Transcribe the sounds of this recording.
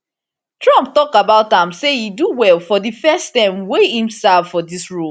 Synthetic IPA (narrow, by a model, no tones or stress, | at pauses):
tɹɔ̃mp̚tɔkabaʊtãmsejiduwɛlˠfɔðɨfɛstãɪ̃mwehĩmsavfɔdisɹu